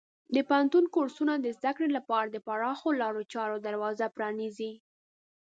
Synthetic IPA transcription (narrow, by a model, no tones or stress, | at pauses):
d̪əpaant̪unkoɾsunad̪əzd̪akɽelapɑɾad̪əpaɾɑxolɑɾot͡ʃɑɾod̪aɾwɑzapɾɑnizi